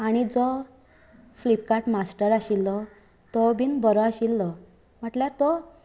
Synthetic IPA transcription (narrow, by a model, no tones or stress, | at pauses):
aɽ̃id͡zɔ | flip̚kaʈmasʈəɾaɕilːɔ | t̪ɔbʱinbəɾɔaɕilːɔ | m̤əʈljaɾt̪ɔ